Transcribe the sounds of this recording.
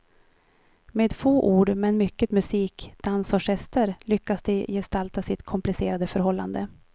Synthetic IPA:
meːd̪foːʔuːɖmɛnmʏkːət̪mɵsiːkd̪̥ansɔʂɛst̪əɾlʏkːasd̪ɛjɛst̪alt̪asɪt̪kʰɔmplɪseːɾad̪əfœɾɦɔlːand̪ə

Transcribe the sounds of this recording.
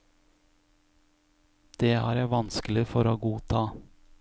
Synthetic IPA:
d̪̥eːæ̰ːɾjæʋɑnskl̩ɪfɔɾoːɡuːt̪ʰɑː

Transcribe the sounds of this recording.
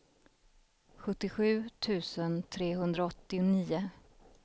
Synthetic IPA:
ɧɵt̪ːɪɧʉ̟ːt̪ʰʉ̟ːsənt̪ʰɾeːɦɵnd̪ɾaɔt̪ːɪʊniːʊ

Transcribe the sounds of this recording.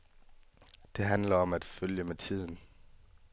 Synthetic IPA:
d̥e̝ɦænlɐɒ̽mæd̥føljəmet͡sʰið̰ˠn̩

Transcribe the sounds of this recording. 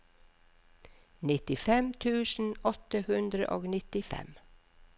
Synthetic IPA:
nɪt̪ɪfɛmt̪ʰʉːsn̩ɔt̪əhʉnd̪ɾə̰ʔo̰ːɡnɪt̪ɪfɛ̰m

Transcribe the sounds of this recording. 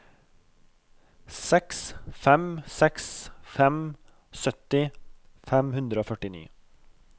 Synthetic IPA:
sɛksfɛmsɛksfɛm | sœt̪ɪ | fɛmhʉnd̪ɾəoːfœʈɪnḭː

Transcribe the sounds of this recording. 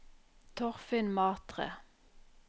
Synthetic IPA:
t̪ʰɔʁfɪnmɑːt̪ʁə̰

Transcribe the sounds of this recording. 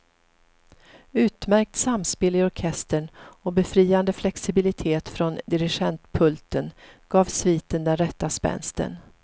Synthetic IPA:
ʉ̟ːt̪mæɾk̚t̪samspeːlɪɔɾkʰɛst̪əɳɔbɛfɾiːand̪əflɛksɪbɪlɪt̪ʰeːt̪fɾɔnd̪ɪɾɪɧɛnt̪pʰɵlt̪ənɡ̥ɑːvsviːt̪ənd̪ɛnɾɛt̪ːaspɛ̰nst̪ə̰n

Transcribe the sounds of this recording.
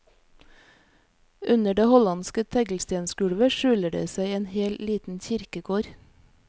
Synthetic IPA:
ʔʉnəɖeːhɔlɑnskət̪ʰɛɡl̩st̪eːnskʉɽʋəʃʉːləɖḛːsæɪeːnheːlliːt̪n̩çɪɾkəkʰoːɾ

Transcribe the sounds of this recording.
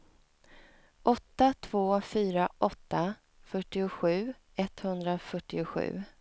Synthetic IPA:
ʔɔt̪ːat̪ʰvoːfyːɾaʔɔt̪ːa | fœʈːɪʊɧʉ̟ː | ɛt̪hɵnd̪ɾafœʈːɪʊɧʉ̟̰ː

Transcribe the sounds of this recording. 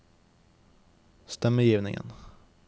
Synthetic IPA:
st̪ɛmːəjiːvnɪ̰ŋə̰n

